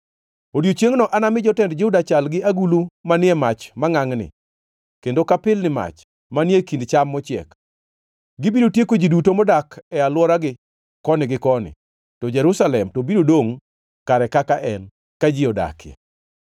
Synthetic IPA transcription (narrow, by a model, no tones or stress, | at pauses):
odjot͡ʃeŋnɔʔanamɪd͡ʒɔtɛndd͡ʒʊdat͡ʃalɡɪaɡulumanɪɛmat͡ʃmaŋaŋnɪ̰ | kendokapɪlnɪma̰t͡ʃ | manjekindt͡ʃamːɔt͡ʃɪɛ̰k | ɡɪbidotjekod͡ʒidutomɔdakɛalwɔɾaɡɪ | kɔnɪɡɪkɔnɪ̰ | tɔd͡ʒɛɾusalɛmtɔbiɾodoŋ | kaɾɛkakaʔɛn | kad͡ʒiɔda̰kjɛ̰